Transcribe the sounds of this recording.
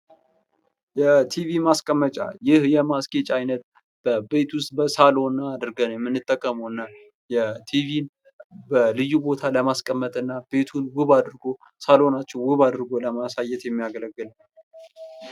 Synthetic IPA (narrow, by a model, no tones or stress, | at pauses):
jɛt̪ʰivimaskʼəmːət͡ʃʼa̰jɪhjɛmaske̞t͡ʃʼajnət̪̚ | b̥əbe̞t̪ʰust̪̚bəsalo̞nːaːd̪ɨɾɡənjɛmːɨnːɨt̪ʼːəkʼːəməwɨnːa | jɛt̪ʰivin | bəlɨjːubo̞t̪ʰaləmaskʼəmːət̪ʼɨnːab̥e̞t̪ʰunwɨβad̪ɨɾɨɡo̞ | salo̞nat͡ʃːɛwɨβad̪ɨɾɨɡo̞ləmasajːɛt̪jɛmːijaɡələɡːɨl